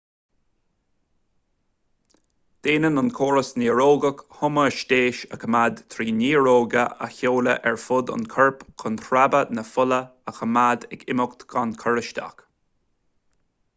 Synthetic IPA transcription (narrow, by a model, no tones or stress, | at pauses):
d̪̥eːnənʊnkʰoːɹəsniːəɹoːɡəkhʊməʃtʲeːʃəkʰəmad̪t̪ʰɾiːniːɹoːɡəʔə̰çoːlə̰ʔɛɹfʊd̪ʊ̰nkʰəɹpkʰʊnt̪ʰɾabənəfʊləəxʰəmad̪ɛɡɪmʊkt̪ɡ̥ankʰəɹəʃt̪a̰k